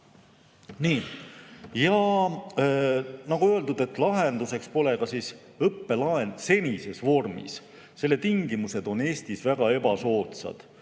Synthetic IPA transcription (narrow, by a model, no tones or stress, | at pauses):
niː | jɑ | nɑɡ̥uø̞e̞ld̪ud̪̥e̞t̪ːˑlɑɦe̞nd̪̥use̞kspo̞lekɑsis | ɤpːe̞lɑense̞nise̞svo̞rmḭs | se̞lːe̞t̪iŋɡimuse̞d̪o̞ne̞ːst̪isvæɡ̥ɑe̞bɑso̞ːt̪sɑ̰d̪̥